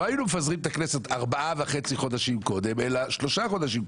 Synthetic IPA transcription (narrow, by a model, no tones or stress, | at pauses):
oajinumefazʁimet̪akneset̪aʁbaʔaveχe̞t͡siχo̞d̪aʃimko̞d̪e̞me̞laʃlo̞ʃaχo̞d̪aʃ̬im